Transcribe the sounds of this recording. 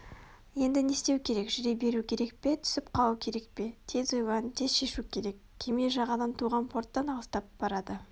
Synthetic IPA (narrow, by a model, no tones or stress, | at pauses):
je̞nd̪ɪne̞st̪e̞wkʲʰe̞ɾe̞kʒʏɾebe̞ɾukʲʰe̞ɾe̞k̚pe̞t̪ʰʏ̥sɪpqʰɑlˠukʲʰe̞ɾe̞k̚pe̞t̪ʰe̞zojʁɑnt̪ʰezʃe̞ʃukʲʰe̞ɾe̞kːʲʰemeʒɑʁɑd̪ɑnt̪ʰuʁɑnpʰo̞ɾt̪ːɑnɑlˠəst̪ɑp̚b̥ɑɾɑd̪ə